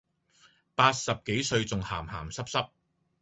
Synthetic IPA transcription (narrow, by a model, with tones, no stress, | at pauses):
paː˧t̚sɐ˨p̚ke˨˥jsɵ˧ɥt͡sʊ˨ŋhaː˨˩mha̰ː˨˩msɐ˥p̚sɐ˥p̚